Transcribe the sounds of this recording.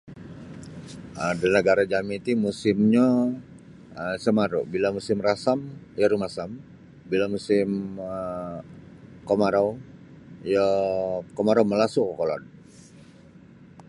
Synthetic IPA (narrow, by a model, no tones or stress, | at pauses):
ʔədənəɡaɾad͡ʒamit̪imusɪmɲa | əsəmaɾṵbilamusɪmrasam | jəɾumasam | bilamusɪmə | komaɾa | jəkomaɾawməlasukəkolɔ̰n